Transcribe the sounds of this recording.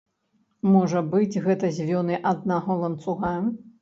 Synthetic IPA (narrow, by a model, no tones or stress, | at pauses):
mɔʐɐbɨd͡zʲɣɛt̪ɐzʲvʲɔnɨʔad̪̚naɦɔlˠɐnt̪suɣa